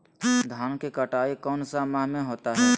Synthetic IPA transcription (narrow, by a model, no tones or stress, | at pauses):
d̪ʱaːnkekəʈaːikɔːnsamaɦmẽɦoːt̪aɦɛː